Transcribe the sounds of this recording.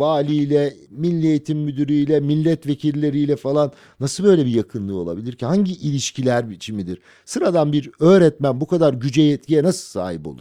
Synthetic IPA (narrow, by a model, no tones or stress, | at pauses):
vaːlʲijlʲɛmilʲːiejit̪ʰimːyd̪yɾyjlʲɛmilʲːɛt̪vecʰilʲlːʲe̞ɾijlʲɛfalˠanːasɯlˠbø̞jlʲɛbijakʰɯnlˠɯo̞lˠa̰bilʲiɾcʰihaɲɟiʔilʲiʃcʰilʲæɾbit͡ʃʰimid̪iɾ̥ | sɯɾad̪anbiɾøːɾɛt̪mænbukad̪aɾɟyd͡ʒɛjɛt̪̚cijɛnasɯlˠsa̰ːɦipo̞lˠṵɾ̥